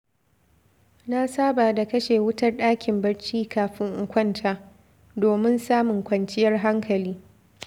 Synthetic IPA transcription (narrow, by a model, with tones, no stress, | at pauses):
na˦saː˦baː˨da˨kɐ˦ʃeː˨wʊ˦tɐ˦rɗaː˦kʲɪ˨mbɐ˦rt͡ʃiː˦kaː˨ɸɪ˦ŋʔʊ˨kʷɐ˦ntʰaː˦ | doː˨mɪ˦nsaː˦mʊ˨ŋkʷɐ˨nt͡ʃɪ˦jɐ˦rɦa˦ŋkʰɐ˨liː˦